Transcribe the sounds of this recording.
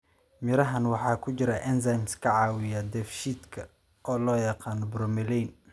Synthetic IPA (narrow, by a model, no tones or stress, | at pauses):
mɪɾɐɦɐnwɑħɑːkʰʊt͡ʃɪɾɐʔɛnsajmskʰɐʕɑːwɪjɐd̪ɛfʃiːd̪kʰɐ | ɔːlɔːjɑqɑːnɔbɾɔmɛlɛjn